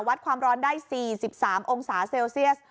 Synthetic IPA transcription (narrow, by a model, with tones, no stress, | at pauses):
wa˦t̪̚kʰwaː˧mɾɔː˧˥ndaː˥˩jsiː˨˩si˨˩p̚saː˩˦mʔo˧ŋsaː˩˦seː˧wsi˥˩əs